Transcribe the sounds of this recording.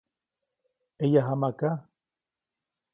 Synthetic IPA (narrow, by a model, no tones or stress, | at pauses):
ejaɦamaka